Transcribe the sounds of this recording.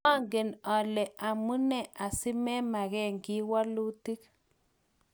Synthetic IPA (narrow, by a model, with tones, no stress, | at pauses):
a˦˨ŋɡe˨na˨le˨ʔa˨mu˦ne˦ʔa˨si˦me˦ma˨ɣɛ˦˨ŋɡi˦wa˦lu˦ti˦k